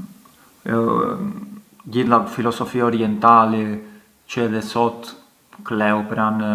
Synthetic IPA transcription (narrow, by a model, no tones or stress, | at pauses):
ɟiθnd̪afilɔsɔfiaɔɾiɛnt̪alɛ | cəɛðɛsɔt̪ | klɛupɾan